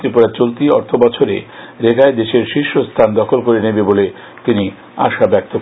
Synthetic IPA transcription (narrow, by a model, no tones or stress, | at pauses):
t̪ɾipoɽat͡ɕolt̪iɔ̰ɾt̪ʰobɔt͡ɕʰoɾḛ | ɾeɡaed̪eʃeɾʃiʃːost̪ʰand̪ɔkʰolkoɾenebebole | t̪ini | a̰ʃabɛk̚t̪o